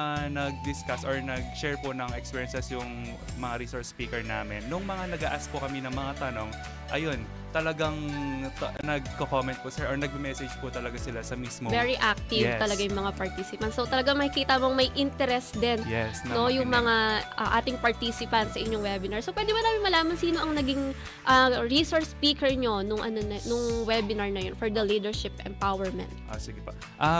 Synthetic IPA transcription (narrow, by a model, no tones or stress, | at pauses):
anɐɡ̚d̪ɪskasɔɹnɐɡ̚ʃɛɹponɐŋɛkspiːɹjɛnsɛsjʊŋ | mɐŋaɾisoɹspiːkɛɹna̰ːmɪnːʊŋmɐŋanɐɡɐ̰ʔaspʊkɐminɐŋmɐŋat̪ɐno̞ŋ | ʔɐjo̞n | t̪ɐlɐɡaŋt̪nɐɡ̚kokomɛnt̪̚pʊsɛɹʔoɹnɐɡ̚bɪmɛsɛd͡ʒpʊt̪ɐlɐɡasɪlasɐmiːsmovɛɹiʔak̚t̪ɪvt̪ɐlɐɡajʊŋmɐŋapɐɹt̪iːsɪpɐnt̪sot̪ɐlɐɡaŋmɐkɪkiːt̪ɐmoŋmɐjʔɪnt̪ɛɾɛsd̪ɛnjɛsnno̞jʊŋmɐŋaɐ̰ʔaːt̪ɪŋpɐɹt̪iːsɪpɐnt̪sɐʔɪɲːoŋwɛbɪnɐɹsopwɛd̪ɪbɐnaːmɪnmɐlaːmɐnsiːno̞ʔɐŋnɐɡiŋ | ʔɐɹisoɹspiːkɛɹɲo̞nʊŋʔɐno̞nɐnʊŋwɛbɪnɐɹnɐjonfɔɹd̪ɐliːd̪ɛɹʃɪpʔɛ̰mpawɛɹmɛ̰̃nt̪̚ʔo̰siɡɛpo | ʔa